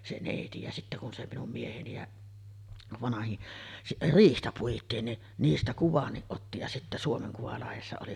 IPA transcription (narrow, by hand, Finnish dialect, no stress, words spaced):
se neˑiti jɑ sitːæ kun se minum mieheni jɑ ʋɑnɑhin riːhtæ puitˑiːn ni niːstæ kuʋɑnːiʔ ʔotːi jɑ sitːæ suomeŋ kuʋɑlɑhesːɑ oli